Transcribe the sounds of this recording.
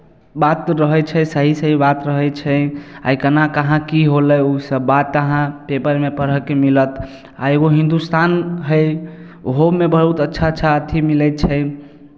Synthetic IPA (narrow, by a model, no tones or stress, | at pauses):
bat̪ɾəɦət͡ʃʰɛsəɦisəɦibat̪ɾəɦət͡ʃʰɛa̰ikənakəɦãkiɦoləjusəbːat̪ːəɦãpepəɾmepəɾəkemilət̪ʰ | a̰eɡoɦĩnd̪ust̪anɦəj | oɦomebəɦut̪ətːʃʰaətːʃʰaət̪ʰimilɛt͡ʃʰə